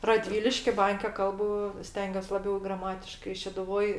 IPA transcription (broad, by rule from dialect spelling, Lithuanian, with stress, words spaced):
rɐˈdʲʋʲiːlʲɪʃʲkʲɪ ˈbɐŋʲkʲɛ ˈkɐlˠbʊ ˈsʲtʲɛŋʲɡʲuɔs lˠɐˈbʲɛʊ ɡrɐˈmɑːtʲɪʃkɐɪ ʃʲɛdʊˈʋoːj